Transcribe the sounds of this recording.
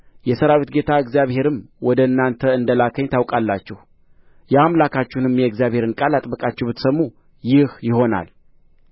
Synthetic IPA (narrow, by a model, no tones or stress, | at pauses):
jɛsəɾawet̪ɡe̞t̪ʰaɨɡzijaβhe̞ɾɨmwɔd̪əɨnːant̪ʰəɨnd̪əlakʰəɲt̪ʰawkʼalːat͡ʃːɛh | jɛamlakʰat͡ʃːunɨmjɛɨɡzijaβhe̞ɾɨnkʼalat̪ʼbəkʼat͡ʃːɛwbɨt̪səmːu | jɪhjɪho̞na̰l